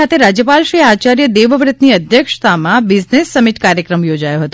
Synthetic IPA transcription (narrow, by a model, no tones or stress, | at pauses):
at̪ʰeɾad͡ʒjəpalʃɾiat͡ʃaɾjəd̪eʋəʋɾɪt̪niəd̪ʱjəkʂt̪ʰamãbɪd͡ʒnesːəmiʈkaɾjəkɾəmjod͡ʒajoɦət̪